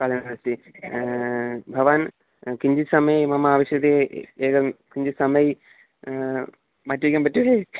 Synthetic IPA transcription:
kɐɭɐnnɐst̪i | bʱɐʋaːn | kiɲd͡ʑisɐmɐjmɐmɐaːʋɐɕjɐd̪eeːkɐmkiɲd͡ʑisɐmɐj | maːtːuʋikʲːaːmpɐtːue

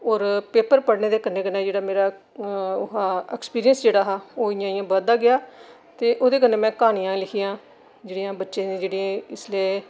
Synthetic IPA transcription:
ɔːɾpeːpəɾpəɽneːd̪eːkənːeːkənːeːd͡ʒeːɽaːmeːɾaː | ʊɦãːɛːkspiːɾijənsd͡ʒeːɽaːɦaːoːɪjãːɪ̃jãːbəd̪aːɡɪjaː | t̪eːʔoːd̪eːk̬ənẽːmɛ̃ːkaːnijãːlɪkʰijãː | d͡ʒeːɽijãːbətːʃẽːnẽːd͡ʒeːɽiẽːɪsleː

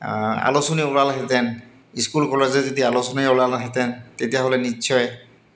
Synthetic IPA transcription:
a̰losɔniɔlalɦɛtɛn | iskulkɔlezɛzodialosɔnaɔlalaɦɛtɛntetijaɦolɛnitːsʰɔjɛ

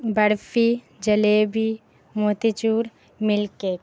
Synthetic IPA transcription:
bəɽfi | d͡ʒəleːbi | moːt̪it͡ʃuːɾ | mɪlke

